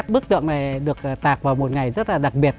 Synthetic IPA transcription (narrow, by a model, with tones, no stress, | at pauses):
k̚ɓɨ˦˥k̚t̪ɨ̰˧˨ŋna˨˩jɗɨ˨˩ək̚ːt̪aː˨˩k̚vaː˨˩wmo˨˩t̚ŋa˨˩jzə˦˥t̚laː˨˩ɗa˨˩k̚ɓi˨˩ət̚